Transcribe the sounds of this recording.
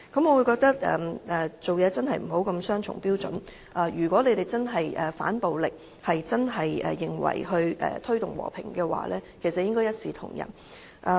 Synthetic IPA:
kɐ˨˥mŋɔː˨˧wu˨˧jkɔː˧k̚t̪ɐ˥k̚ɛ̰ː˨˩ʔɛː˨˩t͡so˨wjɛː˨˧t͡sɐ˥nhɐ˨jm̩˨˩ɦo˨˥wkɐ˧msœː˥ŋt͡ʃʰʊ̰˨˩ŋpiː˥wt͡sɵ̰˨˥n | ʔaː˨˩jyː˨˩kwɔː˨˥le˨˧jt̪e˨jt͡sɐ˥nɦɐ˨jʔɛː˨˩fa̰ː˨˥npo˨wlɪ˨k̚ | hɐ˨jt͡sɐ˥nɦɐ˨jʔɛ̰ː˨ɪ˨ŋwɐ̰˨˩jɦɵ˧ɥʔɛ̰ː˨t̪ʰɵ˥ɥt̪ʊ˨˩ŋwɔ̰ː˨˩pʰɪ̰˨˩ŋkɛː˧wa̰ː˨lɛː˥kʰe˨˩jsɐ˨t̚jɪ˥ŋkɔː˥jɐ˥t̚siː˨t̪ʰʊ̰˨˩ŋjɐ̰˨˩n | ʔɛ˨˧

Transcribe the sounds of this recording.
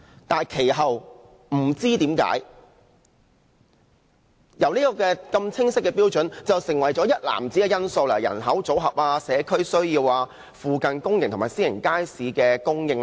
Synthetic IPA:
t̪aː˨nkʰe˨˩jɦɐ˨w | m̩˨˩t͡siː˥t̪iː˨˥mka̰ː˨˥j | jɐ˨˩wniː˥kɔː˧kɛː˧kɐ˧mt͡sʰɪ˥ŋsɪ˥kːɛː˧piː˥wt͡ʃɵ˨˥nt͡sɐ˨wsɪ˨˩ŋwɐ˨˩jt͡sɔː˨˥jɐ˥t̚la̰ː˨˩mt͡siː˨˥ɡɛ˧jɐ˥nso˧wlɐ˨˩jɐ̰˨˩nɦɐ˨˥wt͡so˨˥wɦɐ˨p̚aː˧sɛː˨˧kʰɵ˥ɥsɵ˥ɥjiː˧waː˧ | fuː˨˧kɐ˨nkʊ˥ŋjɪ˨ŋt̪ʰʊ˨˩maː˨˩siː˥jɪ˨˩ŋkaː˥jsiː˨˥kɛː˧kʊ˥ŋjɪ˧ŋ

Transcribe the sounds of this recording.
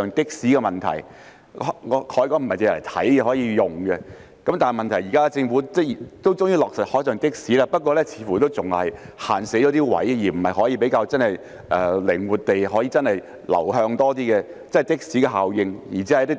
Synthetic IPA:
œː˨˧ŋt̪ɪ˥k̚siː˨˥kɛ˧mɐ˨nt̪ʰɐ̰˨˩j | ŋɔ˨˧hʰɔː˨˥jkɔː˧˥m̩˨˩hɐ˨jt͡se˧jlɐ˨˩jt̪ʰɐ˨˥jɛ˧ɦɔː˨˥jiː˧jʊ˨ŋɡɛ˧ | kɐ˨˥mt̪aː˨n˨mɐ˨nt̪ʰɐ˨˩jiː˨kaː˥˧t͡sɪ˧ŋfu˨˥t͡sɛ˥˩˨t̪o˥wt͡sʊ˥ŋjiː˥lɔː˨ksɐ˨t̚hɔː˨˥jsœː˨ŋt̪ɪ˥k̚siː˨˥laː˥pɐ˥t̚kʷɔː˧lɛ˥t͡sʰiː˨˧˥fuː˨˩t̪o˥wt͡sʊ˨ŋhɐ̰˨jha̰ː˨nse˨˥d͡ʒɔː˨˧˥t̪iː˥wɐ̰˨˥jjiː˨˩m̩˨˩hɐ˨jɦɔː˨˥jiː˧p̬e˨˥jkaː˧wt͡sɐ˥nhɐ˨j | ʔɛː˨lɪ˨˩ŋwuː˨˩t̚t̪e˨jɦɔː˨˥jiː˧t͡sɐ˥nhɐ˨j | lɐ̰˨˩wɦœː˧ŋt̪ɔː˥t̪iː˥kɛ˧ | t͡sɐ˥n˨jt̪ɪ˥k̚si˨˥kɛː˧ɦaː˨wjɪ˧ŋjiː˨˩t͡siː˨˥ɐ˨˦t̪i˥

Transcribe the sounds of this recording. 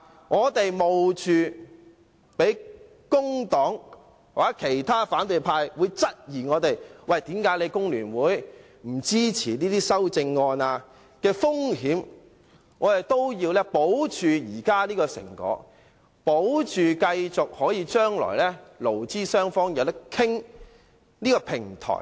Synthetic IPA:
ŋɔː˨˧t̪e˨jmo˨wt͡ʃʰyː˨˧ | pe˨˥j | kʊ˥ŋt̪ɔː˨˥ŋ | waː˨˥kʰe˨˩jt̪ʰaː˥faː˨˥nt̪ɵ˨jpʰaː˧jwuː˨˧jt͡sɐ˥t̚jiː˨˩ŋɔː˨˧t̪e˨jwɐ˨jt̪iː˨˥mkaː˨˥jle˨˧jkʊ˥ŋlyː˨˩nwuː˨˥j | m̩˨˩t͡siː˥t͡sʰiː˨˩niː˥t̪iː˥sɐ˥wt͡sɪ˧ŋːɔː˧naː˧ | kɛː˧fʊ˥ŋɦiː˨˥m | ŋɔː˨˧t̪e˨t̪o˥wjiː˧wlɛː˥po˨˥wt͡ʃʰyː˨jiː˨˩kaː˥niː˥kɔː˧sɪ̰˨˩ŋkɔ̰ː˨˥ | po˨˥wt͡ʃʰyː˨kɐ˧jt͡sʊ˨k̚hɔː˨˥jiː˨˧t͡ʃœː˥ŋlɔ̰ː˨˩jlɛː˥lo˨˩wt͡siː˥sœː˥ŋfɔː˥ŋjɐ˨˧wt̪ɐ˥kʰɪ˥ŋ | niː˥kɔː˧pʰɪ˨˩ŋt̪ʰɔ̰ː˨˩j

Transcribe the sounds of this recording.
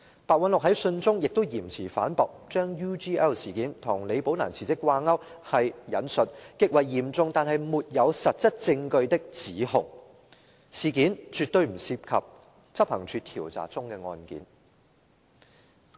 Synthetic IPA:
paː˨k̚wɐ˨˧nlʊ˨k̚ɦɐ˨˥jsɵ˧nt͡sʊ˥ŋjɪ˨k̚t̪o˥wjiː˨˩mt͡sʰiː˨˩fa̰ː˨˥npɔː˨k̚t͡ʃœː˥ŋjuː˥t͡ʃiː˥ɛː˥wsiː˨˩kiː˨˥nt̪ʰʊ˨˩ŋle˨˧jpo˨˧˥wna̰ː˨˩nt͡sʰiː˨˩t͡sɪ˥kːwaː˧ŋɐ˥whɐ˨jjɐ˨˥nsɵ˨t̚kɪ˧˥k̚wɐ˨˩jːiː˨˩mt͡sʊ˧ŋt̪aː˨nɦɐ˨jmuː˨t̚jɐ˨˧wsɐ˨t̚t͡sɐ˥t̚t͡sɪ˧ŋkɵ˧ɥt̪ɪ˥k̚t͡siː˨˥hʊ̰˨˩ŋ | siː˨kiː˨˥nt͡ʃyː˨t̪ːɵ˧ɥm̩˨˩siː˧p̚kʰɐ̰˨p̚ | t͡sɐ˥p̚hɐ˨˩ŋt͡ʃʰyː˧t̪ʰiː˨˩wt͡sa̰ː˨k̚t͡sʊ˥ŋkɛː˧ŋɔ̰ː˧nkḭː˨˥n

